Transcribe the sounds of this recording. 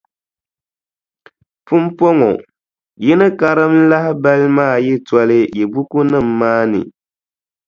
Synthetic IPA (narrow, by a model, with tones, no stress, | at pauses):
pɨ˦m˦po˦ŋɔ̰˨ | jɛ˦nɨ˦ka˨ɾɨ˦m˦la˦hɪ˦ba˦lmaː˦˨jɛ˦tɔ˦lɨ˦jɛ˨bu˦ku˦nɨ˦˨mːaː˦nɨ̰˨